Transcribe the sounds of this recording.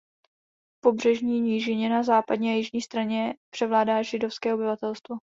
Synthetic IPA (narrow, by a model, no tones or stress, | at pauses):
po̞brɛʒɲiːɲiːʒɪɲɛnazaːpadɲiajɪʒɲiːst̪ɾaɲɛpr̥ɛvlaːdaːʒɪdo̞fskɛːo̞bɪvat̪ɛlst̪vo